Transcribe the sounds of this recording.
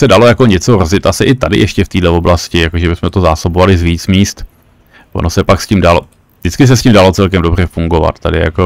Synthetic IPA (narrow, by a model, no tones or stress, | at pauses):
sɛdalo̞jako̞ɲɛt͡so̞ɾozɪt̪ʔasɪʔɪt̪adɪ̰jɛʃcɛft̪iːdlɛvo̞blascɪjakoʒɛbɪsmɛt̪o̞zaːsobovalɪzviːt͡smiːst̪ | vo̰no̞sɛpakscimdalo̰ | vdɪt͡skɪs̬ɛsciːmdalo̞t͡sɛlkɛmdobr̝ɛfuŋɡo̞va̰t̪t̪adɪ̰ja̰ko